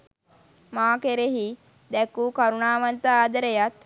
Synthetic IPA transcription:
maːkeɾeɦi | d̪ɛkukaɾunaːʋɐnt̪aaːd̪əɾejat̪

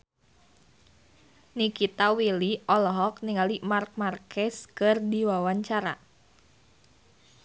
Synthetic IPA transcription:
nikit̪awiliɔlɔɦɔkniŋalimark̚markʰɛskɨrdiwawaɲt͡ʃaɾa̰

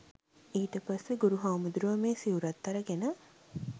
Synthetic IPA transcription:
iːʈəpasːeɡuɾuɦawmud̪ɾuʋəmeːsiuɾɐt̪ːɐɾəɡenə

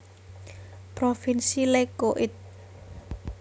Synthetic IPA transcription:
pɾofinsilekoʔɪt̪̚

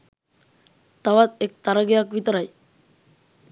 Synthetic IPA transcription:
t̪aʋat̪̚ek̚t̪aɾəɡejakʋit̪əɾaj

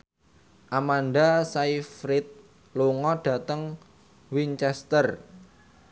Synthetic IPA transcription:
ʔamanɖasaifɾɪt̪̚ | luŋɔɖ̥ä̤t̪əŋ | wiɲt͡ʃɛst̪ər

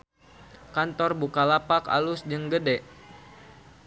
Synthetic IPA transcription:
kant̪ɔrbukalapaka̰lʊsd͡ʒəŋɡədɛʔ

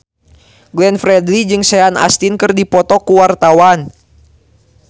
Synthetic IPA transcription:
ɡlɛnfɾɛdlid͡ʒɨŋsɛana̰st̪inkɨrdipɔt̪ɔkuwart̪awan

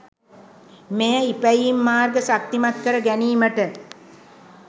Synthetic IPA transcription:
mejəipæjiimːaːrɡəsak̚t̪imat̪̚kəɾəɡæniːməʈə

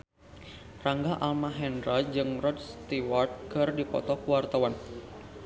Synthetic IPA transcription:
raŋɡaʔalmaɦɛndrad͡ʒɨŋrɔdst̪iwart̪̚kɨrdipɔ̰t̪ɔkuwart̪awan

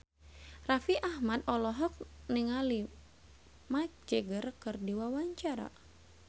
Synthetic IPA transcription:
rafiʔahmad̪ɔlɔɦɔk̚niŋali | mad͡ʒɛɡərkɨrdiwawaɲt͡ʃaɾa̰

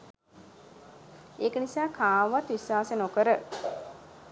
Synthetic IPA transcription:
eːkənisaːkʰaːʋat̪ʋiswaːsenokəɾə

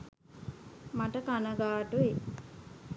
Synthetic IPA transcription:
maʈəkanəɡaːʈue

